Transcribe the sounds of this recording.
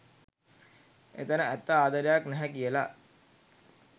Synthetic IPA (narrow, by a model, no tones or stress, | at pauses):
ḛt̪ənəæt̪ːəaːd̪əɾejaknɛɦækijəla̰